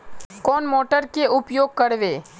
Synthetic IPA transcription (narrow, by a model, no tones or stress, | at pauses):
kɔːnmoːʈəɾkeʊpjoːɡ̚kəɽʋeː